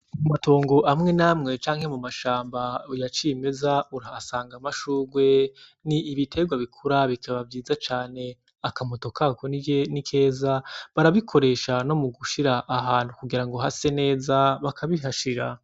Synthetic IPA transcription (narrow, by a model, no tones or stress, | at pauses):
mumato̞ːŋɡo̞ʔamŋe̞namŋe̞t͡ʃaːŋhe̞mumaʃaːmbaujat͡ʃimezauɾasaːŋɡamaʃuːɡwe̞ | niːβitʰe̞ɡwaβikʰuɾaβikʰaβavjiːzat͡ʃaːne̞ | akamo̞to̞kakonijenikʰe̞ːzaβaɾaβikʰo̞ɾe̞ʃano̞muɡuʃiɾaʔːɦaːn̥hukuɡiɾaŋɡo̞ɦase̞ne̞ːzaβakʰaβiɦaʃiɾa̰